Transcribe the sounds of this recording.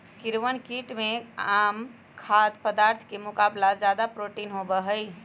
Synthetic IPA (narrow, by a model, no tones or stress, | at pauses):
kiɾʋənkiʈmeam | kʰad̪pəd̪aɾt̪ʰkemukablad͡ʒad̪apɾoʈinɦobəɦəj